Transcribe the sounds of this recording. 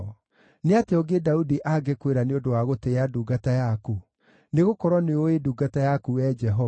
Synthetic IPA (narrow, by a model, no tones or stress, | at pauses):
neateɔɡedaudiʔaɡekweɾaneodowaɣoteeaduːɡatajaku | neɣokɔɾwɔneoeduːɡatajakuɛd͡ʒɛɦɔ